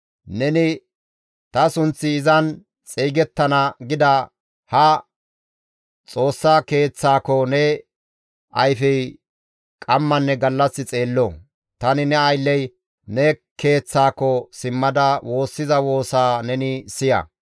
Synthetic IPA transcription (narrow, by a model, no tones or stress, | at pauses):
nɛnɪ | t̪ɐsʊnt͡sːɪːzɐn | t͡sʼejɡɛt̪ːɐnɐɡɪd̪ɐ | hɐ | t͡sʼo̞ːsːake̞ːt͡sːaːkɔnɛ | ʔɐjfɛj | kʼɐmːɐnːɛɡɐlːɐsːɪt͡sʼe̞ːlːo | t̪ɐnɪnɛɐjlːɛj | nɛke̞ːt͡sːaːkːɔsɪmːɐd̪ɐwʔo̞ːsːɪzɐwo̞ːsaːnɛnɪsɪjɐ̰